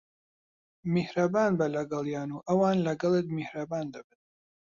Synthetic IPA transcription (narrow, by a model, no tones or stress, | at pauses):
mɪhɾɐbaːnbɐlɐɡɐlˠjaːnuːʔɐwɑːnlɐɡɐlˠet̪̚mihɾabaːnd̪ɐbɨt̪